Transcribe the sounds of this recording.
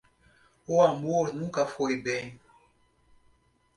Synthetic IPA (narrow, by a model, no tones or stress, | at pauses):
oambonũkafɔebɛ